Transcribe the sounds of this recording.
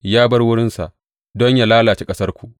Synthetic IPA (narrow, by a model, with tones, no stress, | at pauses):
jaː˦bɐ˦rwʊ˦ɽɪ˦nsa̰˨ʔ | dɔ˦ɲjaː˨laː˦laː˨t͡ʃe˦kʼɐ˦sɐ˦rkʷu˨ʔ